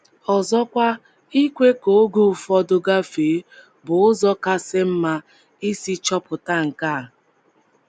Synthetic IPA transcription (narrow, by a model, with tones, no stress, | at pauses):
ɔ˨zɔ˦kʷa˦ | i˦kʷe˦ko˨˦ɡu˦˨fɔ˦dʊ˦ɡa˦fe˨˦ | bʊ˨ʊ˦zɔ˦ka˦se˦m̩˦ma˦ | i˦si˦t͡ʃɔ˦pʊ˨ta˦ŋ̩˨ka˦˨